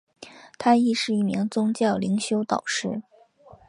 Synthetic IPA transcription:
t̪ʰa˥i˥˧ʂɻ̩˥˧i˥˩mi˧˥ŋt͡sʊ˥ŋt͡ɕjɑ˥˩ʊli˧˥ŋɕjo˥ʊt̪ɑ˨˩ʊʂɻ̩˥˩

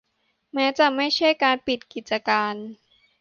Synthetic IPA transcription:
mɛː˦˥t͡ɕa˨˩ma˥˩jt͡ɕʰa˥˩jkaː˧npi˨˩t̪̚ki˨˩t̪̚t͡ɕa˧kaː˧n

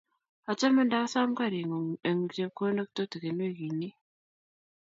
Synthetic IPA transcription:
a˨t͡ʃa˦mə˦nda˦sa˦mka˦˨ɾi˨ŋ˨ə˨ŋ˨d͡ʒe˦ko˦nə˦k̚to˦tə˨ke˨n˦e˦ɡi˨ni˦

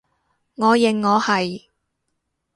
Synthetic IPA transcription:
ŋɔː˨˧jɪ˨˩ŋːɔː˨˧hɐ˨j

